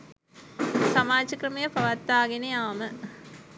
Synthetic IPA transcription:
sɐmaːt͡ɕɐkɾɐmɐjɐpɐʋɐt̪ːaːɡinejaːmɨ

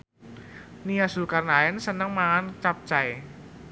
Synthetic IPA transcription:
nijasukarnaɛnsənəŋmaant͡ʃap̚t͡ʃaj

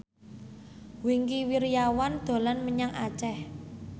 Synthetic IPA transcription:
wiŋkiwiɾijawand̪̥o̤lanməɲaŋa̰t͡ʃɛh

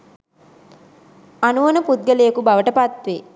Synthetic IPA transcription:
ɐnuʋɐnɐpud̪̚ɡɐlejɐkubɐʋɐʈəpɐt̪ʋeː

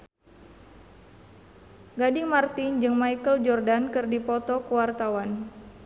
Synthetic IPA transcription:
ɡadiŋmart̪ind͡ʒɨŋmaikəld͡ʒɔrdankɨrdipɔt̪ɔkəwart̪awan

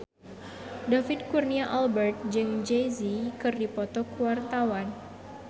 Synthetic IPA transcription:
dafɪd̪̚kurniaʔalbɛrt̪̚d͡ʒɨŋd͡ʒejzikɨrdipɔt̪ɔkuwart̪awan

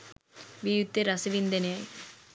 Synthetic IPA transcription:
ʋijut̪ːeɾɐsɐʋind̪ɐnjaj

